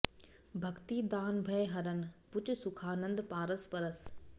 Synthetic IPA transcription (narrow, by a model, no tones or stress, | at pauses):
bʱɐkt̪id̪aːnbʱɐeɦɐɾənɪ̆pʊt͡ɕʊ̆sʊkʰaːnə̃nd̪paːɾəspɐɾəs